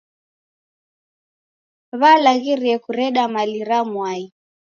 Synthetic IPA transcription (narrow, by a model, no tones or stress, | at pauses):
βalaɣiɾiɛkuɾɛɗamaliɾamwai